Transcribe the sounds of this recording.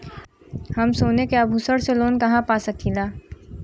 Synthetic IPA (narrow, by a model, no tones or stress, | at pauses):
hɐmsoːnekeaːbʱuːsəɽseloːnkɐɦãpaːsɐkʰiːlaː